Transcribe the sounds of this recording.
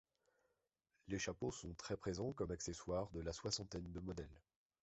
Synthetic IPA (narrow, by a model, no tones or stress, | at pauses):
leʃaposɔ̃t̪χɛpχezɑ̃kɔmakseswaʁd̪əlaswasɑ̃t̪ɛnd̪əmɔd̪ɛl